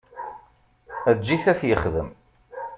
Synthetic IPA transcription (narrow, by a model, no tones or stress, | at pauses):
æd͡ʒːiθæθjəχðəm